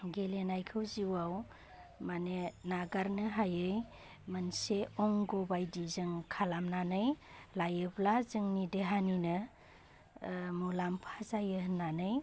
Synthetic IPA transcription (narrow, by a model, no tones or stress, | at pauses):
ɡelenajkʰɯwziwaw | manenaɡaɾnɯɦajɯj | mənseɔŋɡɔbajdizɯŋkʰalamnanɯjlajɯblazɯŋnideɦaninɯ | mulampʰazajɯɦnːanɯj